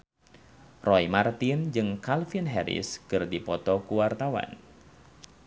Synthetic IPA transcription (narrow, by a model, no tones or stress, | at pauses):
rɔimart̪ind͡ʒɨŋkalfinɦɛɾɪ̰skɨrdipɔt̪ɔkuwart̪awa̰n